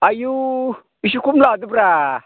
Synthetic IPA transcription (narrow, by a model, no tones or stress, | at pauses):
aju | iʃ̬ikumladubɾa